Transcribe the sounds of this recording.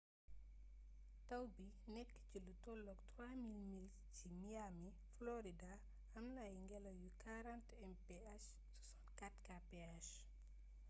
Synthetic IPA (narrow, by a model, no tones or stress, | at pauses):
tɐwbi | nɛkːcilutɔlːɔktɾwamilmil | t͡ʃimijami | flɔɾida | ɐmlajŋɡɛlɐjukaɾantɛmpɛaʃ | tu̥sɔ̥nkatkapɛaʃ